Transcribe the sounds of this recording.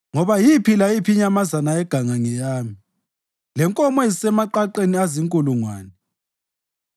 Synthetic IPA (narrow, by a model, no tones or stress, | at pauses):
ŋɔβajipʰilaipʰiɲamazanaɛɡ̥ʱaŋaŋɛjaːmi | lɛŋkʼɔmɛzsɛmaǃaǃeniaziŋkʼuluŋwaːnɛ